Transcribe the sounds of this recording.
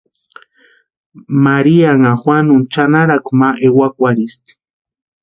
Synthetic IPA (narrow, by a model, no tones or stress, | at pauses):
maɾiaŋaxwanʊnt͡ʃanaɾakumaʔewakʷaɾist̪i̥